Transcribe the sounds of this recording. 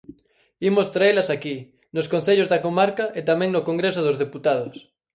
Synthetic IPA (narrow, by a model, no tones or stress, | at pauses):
imost̪ɾaelɐsaki | noskõn̟θeʎozðakomaɾkaʔet̪amɛ̃ŋnokoŋɡɾesoðozðeput̪aðos